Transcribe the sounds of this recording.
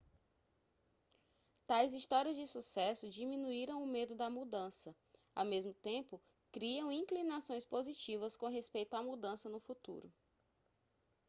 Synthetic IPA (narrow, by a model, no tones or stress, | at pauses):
t̪ajziʃt̪ɔɾiɐzd͡ʒɪsusɛsʊd͡ʒimĩnuiɾɐ̃w̃ʊmed̪ʊd̪ɐmud̪ɐ̃sɐ | a̰wmezmʊt̪ẽpʊ | kɾiɐ̃w̃ĩklinasõj̃spozit͡ʃivɐskõɦespejt̪ʊamud̪ɐ̃sɐnʊfut̪ṵɾʊ